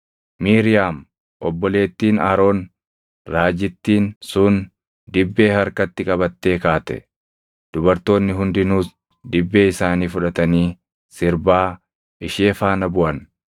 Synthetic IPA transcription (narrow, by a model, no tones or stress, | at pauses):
miːɾɪjaːm | ʔɔbːɔle̞ːt̪ːiːnɐɾo̞ːn | ɾaːd͡ʒɪt̪ːiːnsʊn | d̪ɪbːe̞ːhɐɾkɐt̪ːɪkʼɐbɐt̪ːe̞ːkaːt̪ɛ̰ | d̪̥ʊbɐɾt̪o̞ːnːɪɦʊnd̪ɪnuːs | d̪ɪbːe̞ːɪsaːniːfʊᶑɐt̪ɐniː | sɪɾbaː | ʔɪʃeːfaːnɐbʊʔɐn